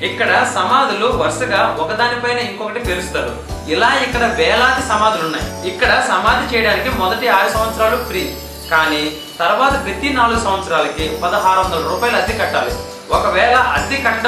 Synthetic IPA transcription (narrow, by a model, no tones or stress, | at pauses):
ikːɐɽɐsɐmaːd̪ʱuluʋɐɾʂɐɡaːɔkɐd̪aːnipɐjnɐːiŋkɔkɐʈipeɾust̪aːɾṵ | ilaːikːɐɽɐʋɛːlaːd̪isɐmaːd̪ʱulunːaːjiikːɐɽɐsɐmaːd̪ʱit͡ʃɛːjɐɽaːnikimɔd̪ɐʈiaːɾusɐ̃mʋɐt̪sɾaːlupɾiː | kaːni | t̪ɐɾʋaːt̪ɐpɾɐt̪inaːluɡusɐ̃mʋɐt̪sɐɾaːlɐkipɐd̪ɐɦaːɾuʋɐnd̪ɐlɐɾuːpaːjɐlɐd̪ikɐʈːaːlu | ɔkɐʋɛːlɐʔɐd̪ikɐʈːɐɽ